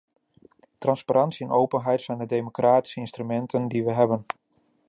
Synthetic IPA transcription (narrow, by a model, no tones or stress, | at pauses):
trɑnspaɾʔɑnsiɛnowpənɦɛjtsɛjndədejmokraːti̥səɪnstrymɛntʰəndiʋəɦɛbən